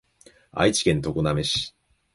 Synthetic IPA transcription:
a̰it͡ɕi̥kẽ̞nt̪o̞koname̞ɕi̥

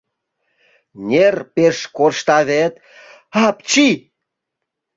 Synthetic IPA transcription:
nʲerpeʃkorʃt̪ɑβet̪ | ɑpt͡ɕi

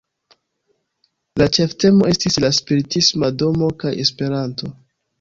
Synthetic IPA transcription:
lat͡ʃe̞fte̞mo̞e̞stislaspiɾitismado̞mo̞kaje̞spe̞ɾanto̞

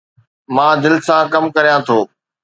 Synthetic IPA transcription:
mãːd̪ɪlsãːkɐmkɐɾijãt̪ʰoː

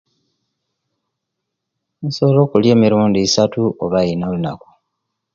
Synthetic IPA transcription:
ensolo̞ːkulje̞ːmiɾuːndiːsatuoβajinalunaku̥

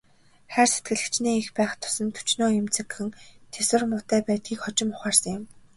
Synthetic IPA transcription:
χæːrset̪̚ɡɘ̆ɮɘ̆kt͡ɕniːixpæːχt̪ʰʊ̥sə̆nt̪ʰu̥t͡ɕnoːjʊmt͡sʰĕkxɘ̆nt̪ʰeswɘ̆rmʊːt̪æːpæːt̪̚ɡʲiːkχɔt͡ɕɪ̆mʊχaːrsə̆ŋjɪ̆m

